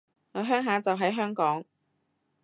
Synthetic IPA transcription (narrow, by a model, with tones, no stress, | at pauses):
ŋɔː˨˧ɦœː˥ŋɦaː˨˧t͡sɐ˨wɦɐ˨˥jɦœː˥ŋkɔː˨˥ŋ